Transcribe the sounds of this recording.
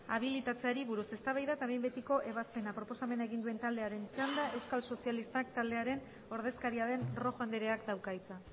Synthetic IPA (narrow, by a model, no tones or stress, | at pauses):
aβ̞ilit̪at͡seaɾiβuɾuse̞st̪aβajðat̪aβejmbe̞t̪iko̞ʔe̞βaspe̞napɾo̞posame̞naeɣind̪ue̞nt̪ald̪e̞aɾe̞nt͡ʃand̪ae̞wskalso̞sialist̪akt̪ald̪e̞aɾe̞n | o̞ɾðe̞skaɾiaðe̞nro̞ɣand̪eɾe̞akd̪awkajt͡sa